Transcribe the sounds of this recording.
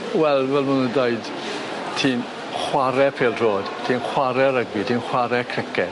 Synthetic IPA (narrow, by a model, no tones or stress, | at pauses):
wɛlˠvɛlˠmunundaɨd | tʰiːn | χwaɾɛpʰeːlˠroːd̥tʰiːnχwaɾɛɾəɡwitʰiːnχwaɾɛkʰr̥ɪkɛ